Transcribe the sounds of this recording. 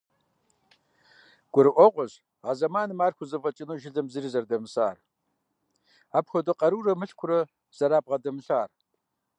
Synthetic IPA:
ɡ̥ʷʊɾɨʔʷɔqʷɔʑ | azɐmaːnɨmaːrxʷʊzɨvɐt͡ʃʼɪnoːʒɪɮɐmzɨrizɐrdɐmɨsaːr | aːpxʷɔdɐqʼɐɾuːrɐmɨɬkʷʰʊrɐ | z̥ɐɾaːp̚ʁɐdɐmɨɬaːr

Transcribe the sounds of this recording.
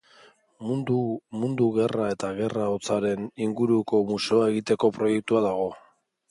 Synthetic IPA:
mund̪uɣe̞rae̞t̪aɣ̞e̞raot͡saɾe̞niŋɡuɾuko̞museoae̞ɣit̪e̞ko̞pɾo̞je̞k̚t̪uaðaɣ̞o̞

